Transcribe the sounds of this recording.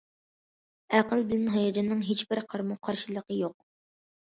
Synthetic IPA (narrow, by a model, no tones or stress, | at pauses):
æqəlˠbɪlænɦɑjɑd͡ʒɑnːɨŋɦet͡ʃbɪɾqʰɑɾmuqʰɑɾʃilˠəqəjoq